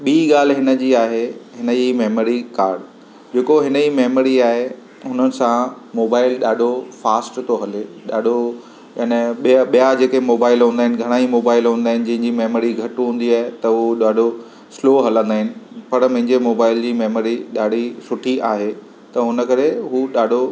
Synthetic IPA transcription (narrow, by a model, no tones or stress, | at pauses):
ɓiːɠaːl̤ɦɪnə̆d͡ʑiːaːɦeɦɪnəd͡ʑimeːmoɾikaːɾɖ | d͡ʑeːkoɦɪnəd͡ʑimeːməɾiaːɦe | ɦʊnənɪ̆sã | moːbaːɪlɗaːɖʱofaːsʈt̪oɦɐleɗaːɖʱo | ɐneɓijɓijad͡ʑeːkemoːbaːɪlɦũːnd̪aɦɪnɪ̆ɡʱɐɽ̃aːimoːbaːɪlɦũːnd̪aːɦɪnɪ̆d͡ʑɐ̃ɦɪ̃ɲd͡ʑimeːməɾiɡʱɐʈɦũːn̆d̪iaːɦet̪ɐɦuɗaːɖʱo | sloːɦɐlə̃nd̪aːɦɪnɪ̆pɐɾmɐ̃ɦɪ̃ɲd͡ʑemoːbaːɪld͡ʑiːmeːməɾiɗaːɖ̤ʱisʊʈʰiʔaːɦe | t̪ɐɦʊnə̆kɐɾeɦuɗaːɖʱo